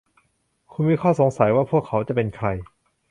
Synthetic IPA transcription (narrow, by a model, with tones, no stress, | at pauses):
kʰu˧nmiː˧kʰɔː˥˩so˩˦ŋsa˩˦jwaː˥˩pʰu˥˩əkʰːa˩˦˥wt͡ɕa˨˩ʔpe˧nkʰɾa˧j